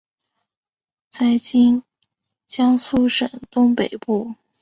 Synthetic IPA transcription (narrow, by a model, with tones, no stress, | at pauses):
t͡sʰa˥ɪt͡ɕi˥n | t͡ɕjɑ˥ŋsu˥˩ʂə˨˩ŋt̪ʊ˥ŋpe˨˩ɪpu˥˩